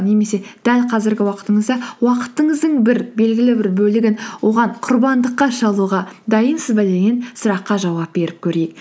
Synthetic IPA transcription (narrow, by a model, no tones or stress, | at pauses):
ne̞me̞se̞d̪̥ælqʰɑzɪɾɡʲɪwɑqə̥t̪əɴəzd̪ɑwɑqə̥t̪ːəɴəzd̪əɴbɪɾbe̞lɡʲɪlɪbɪɾbɵlɪɡʲɪnwo̞ʁɑɴqʰʊɾbɑnd̪əqːɑʃɑlˠuʁɑd̪ɑjənsəzbæd̪eɡʲe̞nsʊɾɑqːɑʒɑwɑp̚be̞ɾɪp̚kʲʰɵɾejɪk̚